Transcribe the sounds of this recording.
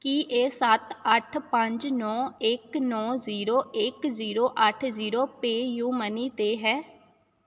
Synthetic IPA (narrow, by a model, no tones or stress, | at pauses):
kiːʔeːsət̪əʈʰpəɲd͡ʒnɔːɪknɔːziːɾoːʔɪkziːɾoːʔəʈʰziːɾoːpeːjuːməniːt̪eːɦɛː